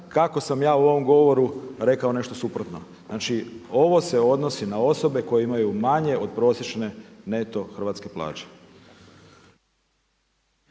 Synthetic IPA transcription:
kako̞samjaːuo̞ʋo̞mɡo̞ʋo̞ɾuɾe̞kao̞ne̞ʃt̪o̞supɾot̪no̞̰znaːt͡ʃio̞ʋo̞se̞o̞d̪no̞sinao̞so̞be̞ko̞jeimajumaɲe̞ʔod̪̚pɾo̞sje̞t͡ʃne̞ne̞t̪o̞xr̩ʋat̪ske̞plˠa̰ːt͡ʃe̥

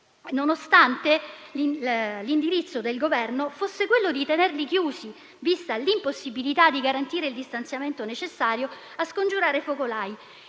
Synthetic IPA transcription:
nonost̪ant̪elilind̪iɾit̪sːod̪elɡovɛrnofosːekwelːod̪it̪enerlikjuːsi | vist̪alimposːibilit̪ad̪ːiɡaɾant̪iːɾeild̪ist̪ant̪sjament̪onet͡ʃesːaːɾjo | askond͡ʒuɾaːɾefokolaj

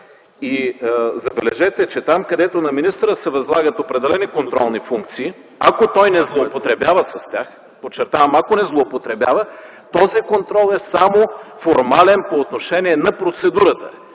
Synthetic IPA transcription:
izɐbɛlɛʒɛt̪ɛt͡ʃɛt̪amkɐd̪ɛt̪onɐminist̪ɾəsɛvɐzlˠaɡət̪opɾɛd̪ɛlɛnikont̪ɾɔ̰lˠnifuŋk̚t̪siː | akot̪ɔjnɛzlˠoːpot̪ɾɛbʲjavəsɐst̪ʲjax | pot͡ʃːɛɾt̪avəmɐkonɛzlˠoːpot̪ɾɛbjavə | t̪ɔzikont̪ɾɔlˠɛsamofoɾmalɛnpoːt̪noʃɛniɛnɐpɾot̪sɛd̪uɾət̪ə̰

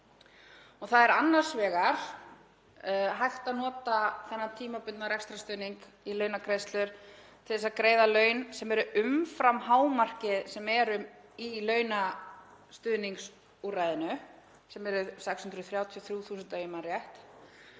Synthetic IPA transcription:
ɔɣθaðɛɾanːar̥svɛːɣaɾ̥ | ɦajht̪aðnɔːt̪aθɛnːat̪ʰiːmapʏnt̪naɾɛkst̪ɾast̪ʏːðniŋk | ilœːɥnakʰɾejst̪lʏɾ̥ | t̪ʰɪlðɛsaðkɾeːjðalœːɥnsɛmɛɾʏʔʏmfɾamɦaːwmar̥cɪðsɛmɛɾʏm | ilœːɥnast̪ʏːðniŋks | urajðɪnʏ | sɛmɛɾʏsɛkshʏnt̪ɾʏθɾjaːwt̪ʰjɔθɾjuːθuːsʏnt̪œjmaɾjɛht̪

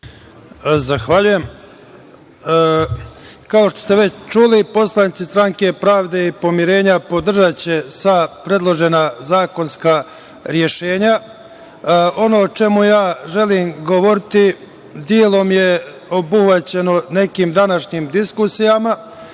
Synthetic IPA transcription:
zaxʋaʎuje̞m | kao̞ʃt̪o̞st̪e̞ʋe̞t͡ɕt͡ʃulipo̞slˠanit̪sist̪ɾaŋke̞pɾaːʋd̪e̞ipo̞mjiɾe̞ːɲapo̞d̪r̩ʒat͡ɕe̞sapɾe̞d̪lˠo̞ʒe̞nazaːko̞nskaː | ɾje̞ʃe̞ːɲa | o̞no̞t͡ʃe̞mujaːʒe̞liːmɡo̞ʋo̞ɾit̪i | d̪jelˠo̞mje̞ | o̞buxʋat͡ɕe̞no̞ne̞kiːmd̪anaʃɲiːmd̪iskusijama

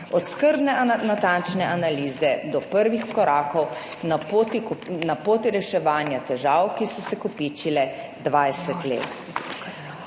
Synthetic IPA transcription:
ɔt̪skəɾbnɛnat̪ant͡ʃnɛʔanaliːzɛd̪ɔpəɾʋixkɔɾaːkɔw | nat̪napoːt̪iɾɛʃɛʋaːnjat̪ɛʒaːwkisɔsɛkɔpiːt͡ʃilɛ | d̪ʋajsɛt̪lḛːt̪

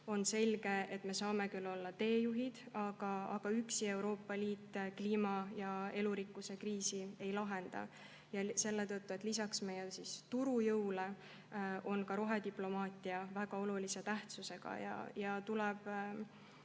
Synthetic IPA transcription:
o̞nse̞lʲɡ̥e̞et̪ːˑme̞sɑːme̞kylːo̞lːɑt̪e̞ːjuɦid̪̥ɑɡ̥ɑɑɡ̥ɑyksie̞wɾo̞ːpˑːɑliːt̪ːˑkliːmɑjɑe̞luɾikːˑuse̞kriːsie̞jlɑɦe̞nd̪̥ɑ̰ | jɑse̞lːet̪ɤt̪ːue̞t̪ːˑlisɑksme̞jesist̪uɾujɤwle | ʔo̞nkɑɾo̞ɦe̞t̪iplo̞mɑːt̪ʲˑiɑvæɡ̥ɑo̞lulise̞t̪æht̪suse̞ɡ̥ɑ̰jɑ̰jɑt̪ulɛb̥

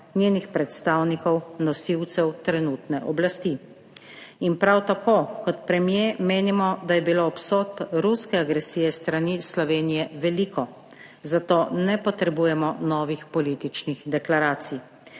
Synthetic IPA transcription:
njeːnixpɾɛt̪st̪aːwnikɔwnɔsiwt̪sɛwt̪ɾɛnuːt̪nɛʔɔblast̪i | inpɾawt̪akoːkɔt̪pɾɛmijemeːnimɔd̪ajɛbiloːpsot̪̚pɾuskɛaɡɾɛsiːjɛst̪ɾanislɔʋeːnijɛʋɛliːkɔ | zat̪oːnɛpɔt̪ɾɛbuːjɛmɔnɔːʋixpɔlit̪it͡ʃnixd̪ɛklaɾaːt̪sij

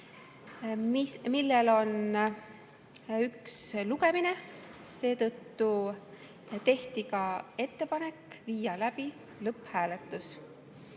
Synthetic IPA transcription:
milːelo̞n | yksluɡe̞mine̞se̞ːt̪ɤt̪ːu | t̪e̞ht̪ikɑe̞t̪ːe̞pɑne̞kːviːjɑlæb̥i | lɤpːhæːle̞t̪ːˑus

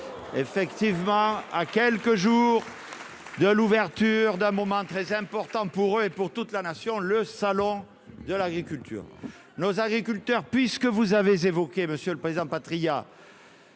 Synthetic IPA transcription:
efɛkt̪ivmɑ̃a̰kʲɛlkəʒuʁ | d̪əluvɛʁt̪yʁd̪ɛ̃mɔmɑ̃t̪χɛzɛ̃pɔʁt̪ɑ̃puʁøepuʁt̪ut̪lanasjɔ̃ləsalɔ̃ | d̪əlaɡʁikʲylt̪ʰy̰ːʁ | nozaɡʁikylt̪œʁpɥiskəvuzavezevɔkʲeməsjøləpχezid̪ɑ̃pat̪χija̰

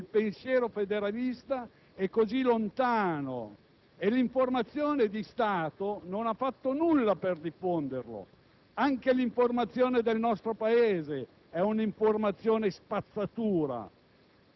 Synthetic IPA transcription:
ilpensjɛːɾofed̪eɾalist̪a | ɛkːozilont̪aːno̰ | eliɱformat̪sːjoːned̪ist̪aːt̪ononafːat̪ːonulːaperd̪ifond̪erlo̰ | aŋkeliɱformat̪sːjoːned̪elnɔst̪ɾopaeːze | ɛuniɱformat̪sːjoːnespat̪sːat̪uːɾa̰

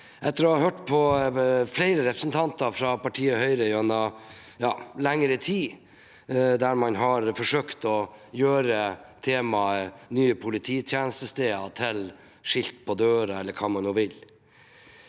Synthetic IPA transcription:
ʔɛt̪ːəɾɔɑɾɦøːʈpʰɔflæɪɾəɾɛpɾəsnt̪ʰɑnt̪ɑɾfɾɑpɑʈʰiːəhœʏɾəɪœnːɑ | jɑːlɛŋːəɾət̪ʰiː | d̪æɾmɑnɦɑɾfɔʂøːkt̪ɔjøːɾət̪ʰeːmɑnyːəpʰʊlɪt̪ʰiːt̪ʰjæːnəst̪əst̪eːɑt̪ʰɪl | ʂɪlt̪̚pʰɔd̪øːɾɑɛlːəɾkʰɑːmɑnːuːʋɪl

